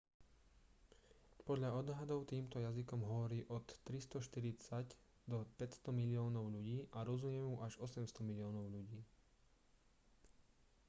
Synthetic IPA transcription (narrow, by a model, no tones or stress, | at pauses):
pɔd̪ʎaɔd̪ɦad̪ɔʊt̪iːmt̪ɔjazikɔmɦɔʋɔɾiːʔɔt̪ːɾist̪ɔʃt̪iɾit͡sac | d̪ɔpɛcst̪ɔmilɪɔːnɔʊʎuɟiːʔaɾɔzumɛmuʔaʒɔsɛmst̪ɔmilɪɔːnɔʊʎuɟiː